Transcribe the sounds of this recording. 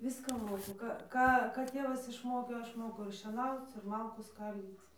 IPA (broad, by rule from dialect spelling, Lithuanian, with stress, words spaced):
ˈʋʲɪskɑː ˈmoːkʊ ˈkɑː ˈkɑː ˈtʲeːʋɐs ɪʃˈmoːkʲeː ˈɐʃ ˈmoːkʊ ɪr ʃʲiɛˈnɐʊt͡s ɪr ˈmɐlˠkuː ˈskɐlʲdʲiːt͡s